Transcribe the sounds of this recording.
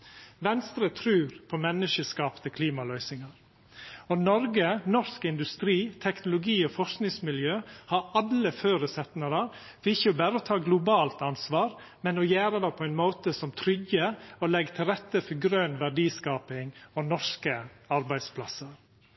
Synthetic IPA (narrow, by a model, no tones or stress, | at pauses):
ʋɛnst̪ɾət̪ʰɾʉːɾpʰɔmɛnːəʂəskɑːpnəkʰliːmɑlœʏsɪŋɑɾ | ɔnɔɾɡənɔʂkɪnd̪ʉst̪ɾiːt̪ʰɛknʊlʊɡiːɔfɔʂknɪŋsmɪljøːhɑɾɑlːəføːɾəsɛt̪nəɾəɾ | fɔɪçːəɔbæːɾəɔt̪ʰɑːɡlʊbɑːlt̪ɑnsʋɑːɾ | mɛnɔjæːɾəd̪ɛpʰɔɛɪnmoːt̪əsɔmt̪ʰɾʏɡəɔlɛɡt̪ʰɪlɾɛt̪ːəfɔɡɾøːnʋæɖiːskɑːpɪŋɔnɔʂkəɑɾbæɪd̪spʰlɑsəɾ